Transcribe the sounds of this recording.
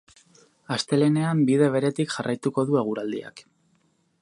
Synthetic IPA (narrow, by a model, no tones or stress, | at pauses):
ast̪e̞le̞ne̞ambiðe̞β̞e̞ɾe̞t̪ikʝarʔajt̪uko̞ðue̞ɣ̞uɾald̪ḭa̰k